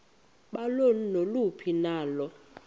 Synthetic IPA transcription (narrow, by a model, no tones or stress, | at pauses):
ɓalon̩nolupʰinaːlɔ